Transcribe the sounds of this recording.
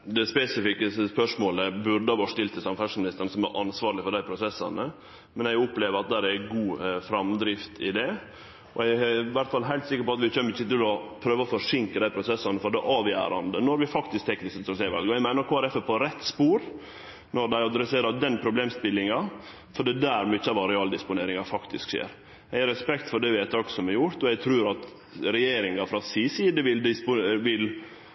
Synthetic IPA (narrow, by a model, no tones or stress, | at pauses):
d̪ɛspɛsɪfɪkəspœʂmoːləbʉɾd̪əʋɑːʂt̪ɪlt̪ʰːəsɑmfæʂmɪnɪst̪əɾɳəsɔmæ̰ɾʔɑnsʋɑːɾɭɪfɔɖ̪æɪpʰɾʊsɛsːɑ̰nə | mɛnɛɡʊpleːʋəɾɑt̪̚d̪æːɾæɡuːfɾɑmd̪ɾɪft̪ʰɪd̪ɛ | ɔ̰æɡʋæɾʈt̪fɑlɦæɪlt̪sɪkːəɾpɔɑt̪ʋɪçœməɾɪçət̪ɪlɔpʰɾøːʋəɔfɔʂɪŋkəd̪æɪpʰɾʊsɛsːɑnəfɔɖɛʔɑːʋjæ̰ːɾɑ̰nd̪ənɔɾʋɪfɑkt̪ɪsk̚t̪ʰɛknɪsəsɔseːʋɑ̰lɡəæɪmæɪnəɾkʰoːæɾɛfəpʰɔɾɛt̪ːspuːɾ | nɔɾd̪æɪɑd̪ɾɛseːɾɑd̪ɛnpʰɾʊbleːmspɪlɪŋɑ | fɔɖɛd̪æɾmʏçːəɑʋɑɾɛɑːld̪ɪspʊneːɾɪŋɑfɑkt̪ɪskʃḛːɾ | æɪɾɛspɛkt̪fɔɖɛʋɪæt̪ʰɑksɔmɛɾjʊɾt̪ɔɛɪt̪ʰɾʉːɾɑt̪ | ɾɛjeːɾɪŋɑfɾɑsiːsiːd̪əʋɪld̪ɪspʊʋɪl